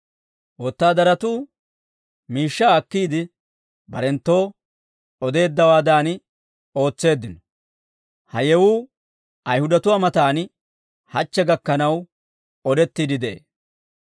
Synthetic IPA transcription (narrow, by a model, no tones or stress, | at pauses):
wot̪ːaːd̪ɐɾɐt̪uː | miːʃːaːkːiːd̪ɪ | bɐɾɛnt̪ːo̞ː | ɔd̪e̞ːd̪ːɐwaːd̪aːn | o̞ːt͡sːe̞ːd̪ːɪnɔ | hɐjɛwuː | ɐjhʊd̪ɐt̪ʊwaːmɐt̪aːn | hɐt͡ʃːɛɡɐkːɐnɐw | ɔd̪ɛt̪ːiːd̪ɪd̪ɛʔḛː